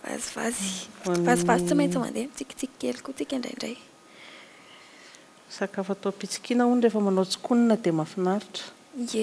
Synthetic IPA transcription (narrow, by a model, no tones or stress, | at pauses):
va̰ziva̰zi̥vazivazi̥t͡simajnt͡səma̰nd̪eamit͡sikʲi̥t͡siki̥kelikut͡sikʲaɳɖ͡ʐa̰jiɳɖ͡ʐa̰j | sakafat̪opit͡si̥kinəuniɖ͡ʐefəmanot͡si̥kuninəd̪emafinaɾiʈ͡ʂə̥ | e